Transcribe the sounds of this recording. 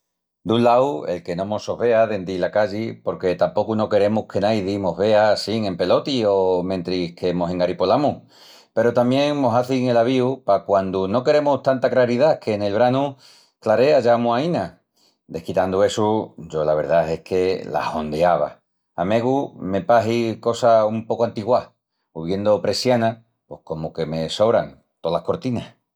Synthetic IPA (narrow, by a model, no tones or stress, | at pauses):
d̪unlawe̞̰lke̞nõ̞mo̞so̞βe̞aðe̞nd̪ilakaʎipo̞ɾke̞t̪ampo̞kuno̞ke̞ɾe̞muhke̞najðimo̞ɦβe̞asiŋẽ̞mpe̞lo̞t̪io̞mẽ̞nt̪ɾike̞moseŋaɾipo̞lamu | pe̞ɾot̪amje̞ŋmo̞saθiŋe̞laβ̞iupakwand̪uno̞ke̞ɾe̞must̪ant̪aklaɾiðakʰe̞ne̞lβ̞ɾanu | klaɾe̞aʝamuaina | d̪e̞hkit̪and̪ue̞sud͡ʒo̞laβ̞e̞ɾðae̞hkʰe̞la̰ho̞nd̪eaβa̰ | ame̞ɣ̞ume̞paɦiko̞saumpo̞koant̪iɣwa | uβje̞nd̪o̞pɾe̞sjana | pwo̞hko̞moke̞me̞so̞βɾaŋ | t̪olahko̞ɾt̪ina